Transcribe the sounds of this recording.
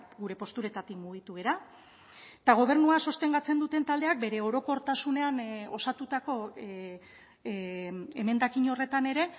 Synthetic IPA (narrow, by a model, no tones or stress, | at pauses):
ɡuɾe̞po̞st̪uɾe̞t̪at̪ikmuɣ̞it̪uɣe̞ɾa | t̪aɣo̞β̞e̞ɾnuaso̞st̪e̞ŋɡat͡se̞nd̪ut̪e̞nt̪ald̪e̞ak̚be̞ɾe̞o̞ɾo̞ko̞ɾt̪asune̞ano̞sat̪ut̪ako̞ | e̞me̞nd̪akiɲo̞re̞t̪ane̞ɾe̞